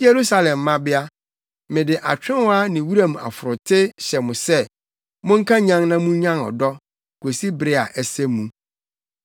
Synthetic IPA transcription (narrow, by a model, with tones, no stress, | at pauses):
je˨ɾu˦sa˦lɛ̃˨mːã˦bɪ˦a˦ | mɪ̃˨dɪ˨ʔa˨t͡ɕᶣɪ̃˦nwɔ˦a˦nɪ̃˨wu˦ɾã˨ma̰˨fʊ˨ɾʊ˨tʰɪ˦ɕɛ˨mʊ̃˨sɛ˦ | mʊ̃˦ŋ̩˦kʰã˦ɲã˦ŋnã˦mũ˦ɲã˦nɔ̰˨dɔ˦ | kʰo˨si˦bɾɪ˦a˨ʔæ˦sɛ˦mũ˨